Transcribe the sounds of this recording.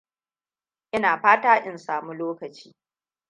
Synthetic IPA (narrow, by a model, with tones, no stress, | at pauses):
ʔɪ˦naː˨ɸaː˦taː˦ʔɪ˦nsaː˨mu˦loː˦kɐ˨t͡ʃiː˦